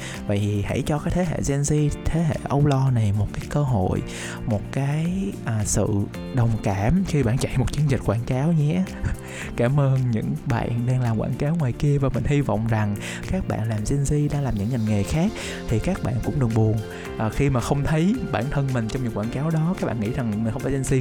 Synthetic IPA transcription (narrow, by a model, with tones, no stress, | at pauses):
və̰˧˨ji˨˩ha̰˧˥jt͡ɕɔ˧kaː˨˦jt̪ʰe˨˦ɦḛ˧˨zi˧nzi˧t̪ʰe˨˦ɦḛ˧˨ʔə˧wlɔ˧na˨˩jmo˨˩t̚kaː˨˦jkəː˧ɦo̰˧˨j | mo˨˩t̚kaː˨˦jʔːsɨ̰˧˨ | ɗə˨˩wŋ͡mkaː˧˩mxi˧ɓa̰ː˧˨nt͡ɕa̰˧˨jmo˨˩t̚t͡ɕi˨˦ənzï˨˩t̟̚xwaː˧˩nkaː˨˦wɲɛ˧˥ | kaː˧˩mʔəː˧nɲɨ̰˧˥ŋɓa̰ː˧˨nɗaː˧ŋlaː˨˩mkwa̰ː˧˩nkaː˨˦wŋwaː˨˩jki˧əvaː˨˩mï˨˩ŋ̟hi˧vɔ̰˧˨wŋ͡mza˨˩ŋ | kaː˦˥k̚ɓa̰ː˧˨nlaː˨˩mzi˧nzi˧ɗa̰ː˧ŋlaː˨˩mɲɨ̰˧˥ŋɲa˨˩nŋe˨˩xaː˦˥k̚ | t̪ʰi˨˩kaː˦˥k̚ɓa̰ː˧˨nkʊ̰˧˥ŋ͡mɗɨ˨˩əŋɓu˨˩ən | ʔːxi˧maː˨˩xə˧wŋ͡mt̪ʰə˨˦jɓaː˧˩nt̪ʰə˧nmï˨˩ŋ̟t͡ɕwŋ͡mɲɨ̰˧˥ŋkwaː˧˩nkaː˨˦wɗɔ˨˦ka˦˥k̚ɓa̰ː˧˨ŋḭ˧˥za˨˩ŋmi̟˨˩xə˧ŋ͡mfa˨˩˦zɛ˧nzi˧